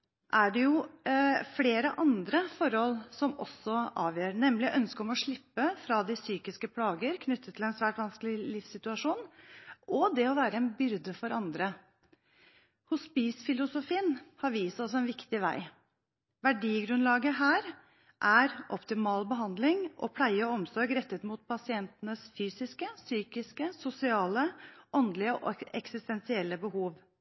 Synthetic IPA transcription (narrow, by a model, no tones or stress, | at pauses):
ʔæɖɛjʊ | fleːɾəʔɑnd̪ɾəfɔɾɔlsɔmɔ̰sːɔʔɑːʋjøːɾɳɛmlɪʔœnskəɔmɔʂɭɪpːəfɾɑd̪ɪsyːkɪskəpʰlɑːɡəɾkʰnʏt̪ʰːət̪ʰːɪlɛnsʋæːʈʋɑnskəlɪlɪfsɪt̪ʉɑʂuːnʔɔd̪ɛɔʋæːɾəɛnbʏɾd̪əfɔɾɑnd̪ɾə | hʊspiːsfɪlʊsʊfiːənhɑɾʋiːsɔsɛnʋɪkt̪ɪʋæ̰ɪ | ʋæɖiːɡɾʉnlɑːɡəɦæːɾ | ʔæɾʔɔpt̪ɪmɑːlbəɦɑnd̪lɪŋʔɔ̰pʰlæɪəɔɔmsɔɾɡɾɛt̪ːət̪muːt̪̚pʰɑsɪɛnt̪nəsfyːsɪskəsyːkɪskəsʊsɪɑːləʔɔnd̪lɪəʔɛksɪst̪ɛnsɪɛlːəbəhuːʋ